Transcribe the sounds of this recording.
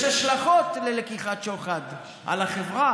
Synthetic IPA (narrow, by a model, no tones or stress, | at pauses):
ʃaʃlaχot̪lelekiχatt͡ʃoχad̪ | ʔa̰laχevʁa